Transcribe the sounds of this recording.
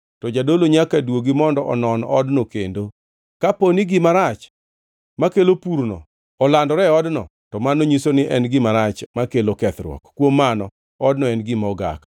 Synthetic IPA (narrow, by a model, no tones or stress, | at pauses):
tɔd͡ʒadoloɲakadwoɡimɔndɔʔɔ̰nɔnɔdnokendo | kaponiɡɪmaɾat͡ʃ | makelopuɾnɔ̰ | ɔlandɔɾɛɔdnɔ | tɔmanoɲisonɪʔɛnɡɪmaɾat͡ʃmakelokɛt̪rwɔ̰kːwomːanɔ | ɔdnɔɛnɡɪmɔɡa̰k